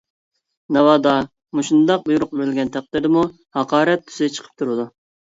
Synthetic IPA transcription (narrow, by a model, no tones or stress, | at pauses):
nɛwɑːd̪ɑ | muʃund̪ɑq̚bujuɾʊq̚bɪɾɪlʲɡʲɛnt̪ʰæq̚d̪ɪɾd̪ɪmu | hɑqɑːɾɛt̪ʰːy̥z̥ɪd̪ɛt͡ʃʰə̥qʰə̥p̚t̪ʰuɾɨd̪u